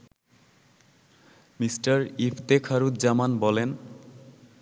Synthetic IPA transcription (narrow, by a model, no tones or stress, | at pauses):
misʈaɾifʰt̪ekʰaɾud̪̚d͡ʑamanbɔlen